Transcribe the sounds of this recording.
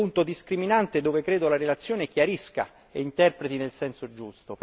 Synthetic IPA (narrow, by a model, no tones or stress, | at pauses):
unt̪od̪iskɾiminant̪ed̪oːvekɾeːd̪olaɾelat̪sːjoːnekjaɾiska̰ | eint̪ɛrpɾet̪inelsɛnsod͡ʒust̪op